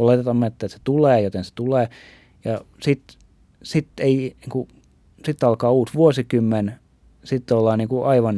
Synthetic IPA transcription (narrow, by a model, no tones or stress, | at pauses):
olet̪et̪ɑmmet̪ːæt̪se̥t̪uleːjot̪ense̥t̪uleː | jɑ | sit̪ | sit̪ːeiniːŋku | sit̪ːɑlkɑːuːsʋuosikymːen | sit̪ːolːɑːniːŋkuʔɑiʋɑn